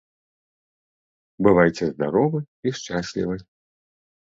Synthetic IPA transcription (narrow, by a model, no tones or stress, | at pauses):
bɨvajt͡sʲɛzd̪aɾɔvɨ | iʂt͡ʂasʲlʲḭvɨ